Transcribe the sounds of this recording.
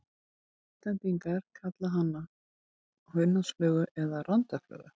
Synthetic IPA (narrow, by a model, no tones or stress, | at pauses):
ist̪ɛnt̪iŋkaɾ̥kʰat̪laɦanːa | hœɥnːansflœːɣʏʔɛðarant̪aflœ̰ːɣʏ̰